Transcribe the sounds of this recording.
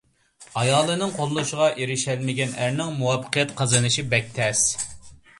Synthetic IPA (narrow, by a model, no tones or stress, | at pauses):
ɑjɑːlˠɨnɨŋqʰolˠlːˠuʃɪʁɑʔeɾɪʃɛlmɪɡʲɛnæɾnɪŋmuwɑpːə̥qʰijɛt̪qʰɑzɨnɨʃibɛk̚ʲt̪ʰɛs